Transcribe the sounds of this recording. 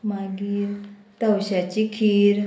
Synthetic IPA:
maɡiːɾt̪əwɕat͡ɕikʰiːɾ

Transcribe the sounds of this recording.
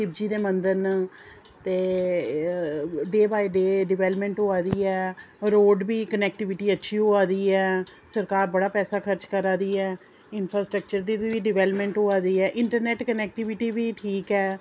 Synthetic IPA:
ʃɪb̚d͡ʒiːd̪eːmə̃nd̪əɾn | t̪eː | ɖeːbaːiɖeːɖɪʋɛːləpmɛ̃ːɳʈɦoːaːd̪iːɛː | ɾoːɖbiːkənɛːk̚ʈɪʋɪʈiːətːʃʰiːɦoːaːd̪iːɛː | səɾkaːɾbəɽaːpɛːsaːkʰəɾt͡ʃkəɾaːd̪iːɛː | ɪnpʰɾaːsʈɾək̚t͡ʃəɾd̪iːd̪iːiːɖɪʋɛːləpmɛ̃ɳʈɦoːaːd̪iːɛːʔɪɳʈəɾnɛːʈkənɛːk̚ʈɪʋɪʈiːʋiːʈʰiːkɛː

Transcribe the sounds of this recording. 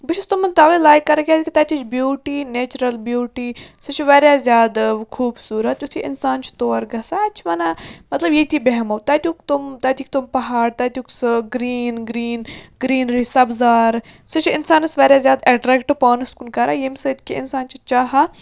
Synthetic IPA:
bɪʃust̪umɐnt̪aːʋelaːjkːɐɾɐkʲaːzkit̪ɐt̪it͡ʃʰbjuːʈiːneːt͡ʃɾɐlbjuːʈiːsɨt͡ʃʰiʋeːɾjaːzjaːd̪kʰuːbsuːɾɐt̪jut̪ʰiʔɪ̰nsaːnt͡ʃʰi̥t̪oːɾɡɐsaɐt͡ʃʰiʋɐnamɐt̪lɐbjet̪ibeɦɐmɐwt̪aːt̪ʲukt̪umt̪ɐːt̪ʰik̚t̪umpɐɦaːɽt̪ɐːt̪ʲjuksɡɾiːnɡɾiːnɡɾiːnɾisɐbzaːɾsɨt͡ʃʰɪnsaːnɐsʋɐɾʲjaːzjaːd̪eɖɾeːkʈpaːnɐskunkɐɾajemsɨt̪ʲkiɪnsaːnt͡ʃʰit͡ʃaːɦa

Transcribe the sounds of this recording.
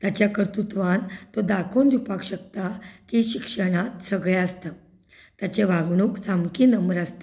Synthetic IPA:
t̪jat͡ɕjakəɾt̪ut̪ʋãnt̪od̪akʰond̪upakɕək̚t̪akiɕikʂəɽ̃at̪səɡɭẽəst̪a | t̪jat͡ɕeʋaɡɳuːksamkiːnəmbəɾast̪e

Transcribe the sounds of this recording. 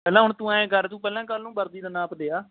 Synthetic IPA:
pɛːlãːɦʊɳt̪ũːãːẽːkəɾt̪ũːpɛːlãːkəlnũːbəɾd̪iːd̪ənãːpd̪eːaː

